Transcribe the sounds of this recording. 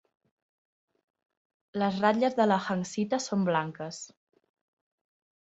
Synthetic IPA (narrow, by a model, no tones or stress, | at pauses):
ləzraʎəzðələxəŋsit̪əsomblaŋkəs